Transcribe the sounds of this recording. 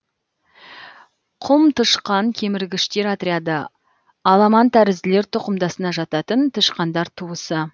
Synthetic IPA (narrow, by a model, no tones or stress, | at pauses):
qʰʊmt̪ʰəʃqɑŋkʲʰe̞mɪɾɡʲɪʃt̪e̞ɾɑt̪ɾʲead̪ə | ɑlˠɑmɑnt̪ʰæɾɪzɪle̞ɾt̪ʰʊqəmd̪ɑsənɑʒɑt̪ɑt̪ənt̪ʰəʃqɑnd̪ɑɾt̪ʰuəsə